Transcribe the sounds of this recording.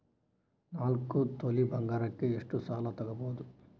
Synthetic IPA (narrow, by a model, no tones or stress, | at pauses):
naːlkut̪olibʱɐŋɡaːɾɐkːe̞eʂʈusaːlɐt̪ɐɡɐboːd̪u